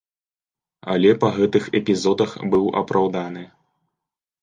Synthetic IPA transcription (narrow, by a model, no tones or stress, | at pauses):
ɐ̰lʲɛpɐɣɛt̪ɨxɛpʲizɔd̪ɐxbɨwʔɐ̰pɾʔawd̪anɨ